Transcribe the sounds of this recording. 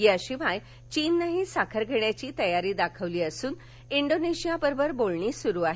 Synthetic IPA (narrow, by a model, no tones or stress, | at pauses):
jiəɕibʱaj | t͡ɕiːnːaɦisakʰəɾɡʱeɳjat͡ɕiːt̪əjaɾiːd̪akʰəʋliːəsuːn | iɳɖoneɕijapəɾbʱəɾbolɳiːsuɾuːaɦe